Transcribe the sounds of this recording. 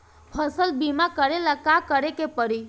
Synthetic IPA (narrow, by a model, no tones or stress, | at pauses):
həsəlbimakəɾelakakəɾekepəɾi